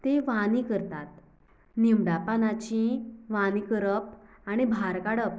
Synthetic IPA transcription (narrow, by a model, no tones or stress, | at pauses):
t̪eʋaniːkəɾt̪at̪̚ | nimɖapanat͡ɕĩʋanikəɾəp̚ | aɽ̃ibʱaɾkaɽəp̚